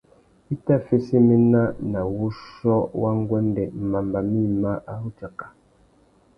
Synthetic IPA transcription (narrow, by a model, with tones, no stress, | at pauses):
i˦ta˦fe˦se˦me˦na˦na˨wu˦ʃɔ˦wa˦ŋ˦ɡwɛ˦ndɛ˨m̩˨ma˨mba˨mi˦ma˦ʔa˦hu˦t͡ʃa˨kḁ˨